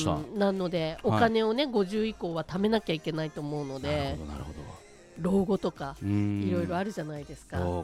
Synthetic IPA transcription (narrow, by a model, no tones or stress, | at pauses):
nãnːo̞d̪e̞o̞kane̞o̞ne̞ɡo̞ʑɨːiko̞ːβat̪ame̞nakʲaikʲe̞nait̪o̞mo̞ɯ̟no̞d̪e̞od̪o | ɾo̞ːɡo̞t̪o̞kaiɾo̞iɾo̞aɾɯ̟ʑanaid̪e̞sɨ̥ka